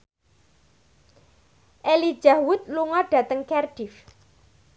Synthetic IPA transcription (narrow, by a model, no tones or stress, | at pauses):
ʔeli̥ʒ̥ahwʊt̪̚luŋɔɖ̥a̤t̪əŋkɛrɖ̥if